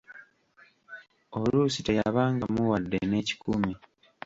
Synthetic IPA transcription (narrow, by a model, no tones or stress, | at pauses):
olusitajaβaːŋɡamuwadːḛne̞ːci̥kumi